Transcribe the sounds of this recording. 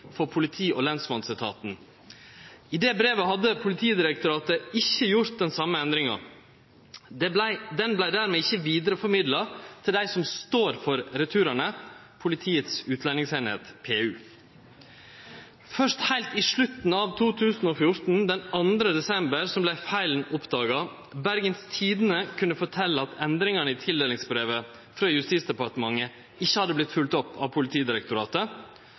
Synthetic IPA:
fɔɾpʰʊlɪt̪ʰiːʔɔlɛnsmɑnsɪt̪ʰɑ̰ːt̪n̩ | ɪd̪ɛːbɾeːʋəhɑd̪ːəpʰʊlɪt̪ʰiːd̪ɪɾək̚t̪ʊɾɑːt̪əɪçːəjʊɾt̪̚d̪ɛnsɑmːəɛnd̪ɾɪŋɑ̰ | d̪æɪd̪ɛnblæɪd̪æːɾmeːɪçːəʋiːd̪əɾəfɔɾmɪd̪lɑt̪ʰɪld̪æɪsɔmst̪oːɾfɔɾɾɛt̪ʰʉːɾəɳə | pʰʊlɪt̪ʰiːət̪sʉːt̪ʰlɛnɪŋseːnhḛːt̪pʰeːʉː | fœʂthæɪlt̪iʂɭʉt̪n̩ɑʋt̪ʰuːt̪ʰʉːsn̩oːfjʊɾʈn̩d̪ɛnɑnd̪ɾəd̪ɛsɛmbəɾsɔmblæɪfæɪln̩ɔpd̪ɑːɡɑ | bæɾɡənst̪ʰiːd̪ənəkʰʉnːəfɔʈʰɛlːəɑt̪ɛnd̪ɾɪŋɑɳəɪːt̪ʰɪld̪eːlɪŋsbɾeːʋə | fɾɑːjʉst̪iːt̪sd̪ɛpɑʈəmɑŋːə | ɪçːəhɑd̪əblɪt̪fʉlt̪ɔpːɑ̰ʋpʰʊlɪt̪ʰiːd̪ɪɾɛk̚t̪ʊɾɑːt̪ə

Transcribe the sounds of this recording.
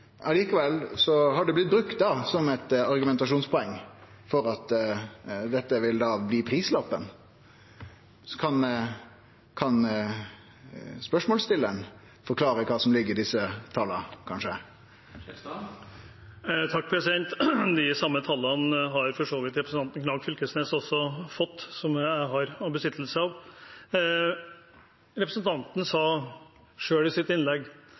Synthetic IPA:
ɑliːkəʋɛlsɔɦɑɖɛblɪt̪̚bɾʉkt̪̚d̪ɑsɔmɛt̪ɑɾɡʉmɛnt̪ɑʂuːnspʰɔɛŋː | fɔɾɑt̪ | d̪ɛt̪ːəʋɪld̪ɑːbliːpʰɾiːslɔpːən | skʰɑn | kʰɑn | spœʂmɔːlst̪ɪlːən | fɔɾkʰlɑːɾəkʰɑːsɔmlɪɡːəɾd̪ɪsːət̪ʰɑlɑkʰɑnʂə | t̪ʰɑk̚ːpʰɾɛsɪd̪ɛnt̪d̪ɪsɑmːət̪ʰɑlːɑnɦɑɾfɔʂoːʋɪt̪ɾɛpɾəsn̩ʰɑnt̪nkʰnɑːɡfʏlkəsneːsɔsːɔfɔt̪ːsɔmɦɑɾɑbəsɪt̪ʰːl̩səɑʋ | ɾɛpɾəsnt̪ʰɑnt̪n̩sɑː | ʂøːɭɪsɪt̪ɪnlɛɡ

